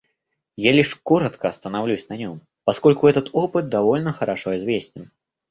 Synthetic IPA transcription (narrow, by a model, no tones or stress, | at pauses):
jalʲiʂkɔɾɐt̪kɐːst̪ɐnawlʲusʲnɐnʲɔm | paskɔlʲkuɣɛt̪ɐt̪ɔpɨt̪̚d̪avɔlʲnɐxɐɾaʂɔizʲvʲesʲt͡sʲin